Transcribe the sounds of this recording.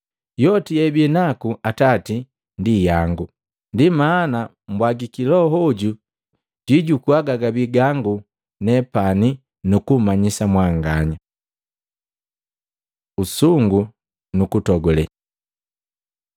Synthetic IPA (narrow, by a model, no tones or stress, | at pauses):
jɔtijɛbɛnakuʔatati | ndijaŋɡu | ndimana | mbwaɡikilɔɦɔɟu | ɟiɟukuaɡaɡabiɡaŋɡu | nɛpani | nukumaɲisamwaŋɡaɲa | usuŋɡu | nukutɔɡɔlɛ